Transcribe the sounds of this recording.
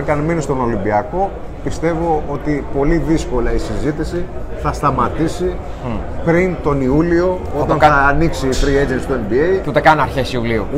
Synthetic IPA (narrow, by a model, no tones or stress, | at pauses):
cɐnmenist̪o̞no̞limbiɐko̞ | pist̪e̞vo̞o̞t̪ipo̞liðisko̞lɐisizit̪isi | θɐst̪ɐmɐt̪isi | pɾint̪o̞niulio̞ot̪ɐɐɐːniksiːθɾied͡ʒentst̪uembiejut̪ekɐnɐɾçesiuliṵ